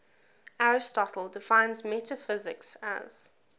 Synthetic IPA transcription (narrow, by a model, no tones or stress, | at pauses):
aɹɪstɔtʰˡəl̩ˠdɪfãɪ̃nzmɛtʰəfɪzɪ̰ksə̰z̥